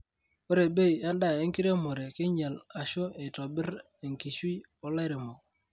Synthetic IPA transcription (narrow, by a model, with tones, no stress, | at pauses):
o˦ɾe˨be˦i˨a˦nda˦˨e˦ŋ˦ki˦ɾe˦mo˨ɾe˨kɪ˦ɲɛ˨la˨ʃo˦e˨tɔ˨bɪ˦ɾ | e˨ŋki˨ʃwi˦ | ɔ˦lɛ˦ɾɪ˨mo˨